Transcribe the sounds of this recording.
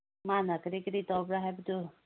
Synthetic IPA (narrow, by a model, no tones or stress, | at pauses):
manakɾikɾit̪ɔbɾaɦebd̪u